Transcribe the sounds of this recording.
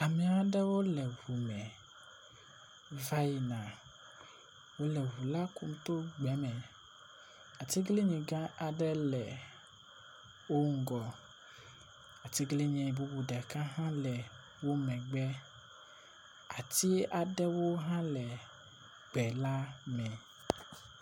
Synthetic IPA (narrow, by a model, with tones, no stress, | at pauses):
a˨mĩ˨a˨˦ɖɛ˦wo˦lɛ˨ɦu˨mɛ̃˨ | va˦ji˨nã˨ | wo˦lɛ˨ɦu˨la˦ku˦m˦t̪o˦ɡ͡bɛ˨˦mɛ̃˨ | a˨t̪i˦ɡli˦ɲĩ˨ɡã˦a˨ɖɛ˦lɛ˨ | wo˦ŋ̩˦ɡɔ˨ | a˨t̪i˦ɡli˦ɲɛ̃˨bu˦bu˨ɖɛ˨kã˦ɦã˦lɛ˨ | wo˦mɛ̃˨ɡ͡bɛ˦ | a˨t̪i˦a˨ɖɛ˦wo˦ɦã˦lɛ˨ | ɡ͡bɛ˨la˦mɛ̃˨